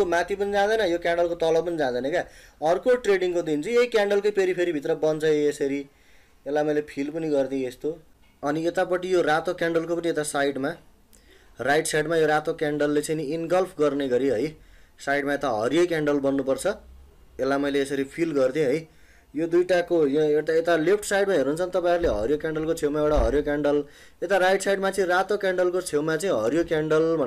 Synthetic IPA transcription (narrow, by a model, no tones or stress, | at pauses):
omãt̪ʰipʌnid͡zãd̪ʌjnʌjokaɳɖʌlkot̪ʌlʌpʌnid͡zãd̪ʌjnʌkaʌrkoʈreɽiŋkod̪int͡sʰiejkaɳɖʌlkojpeɾipʰeɾibʱit̪rʌbʌnt͡sʰʌeesʌɾi | elːamʌjlepʰilpʌniɡʌrd̪iest̪o | ʌniet̪apʌʈijorat̪okaɳɖʌlkopʌniet̪asajɖma | rajʈsaɖmajoɾat̪okaɳɖʌlːet͡sʌjninɡʌlpʰɡʌrneɡʌɾiɦʌjsajɖmaet̪aɦʌ̰ɾjokaɳɖʌlbʌnːupʌrt͡sʰʌ | elːamʌjleːsʌɾipʰilɡʌrd̪ʰiõɦʌj | jod̪ujʈakojoet̪aet̪alipʰʈsajɖmaɦeɾnuːnt͡sʰʌnt̪ʌpãj̃ɾleɦʌ̰ɾjokaɳɖʌlkot͡sʰewmaewɽaɦʌɾjokaɳɖʌl | et̪aɾajʈsajɖmat͡saĩrat̪okaɳɖʌlkot͡sʰewmat͡saĩɦʌɾjokaɳɖʌlbʱʌ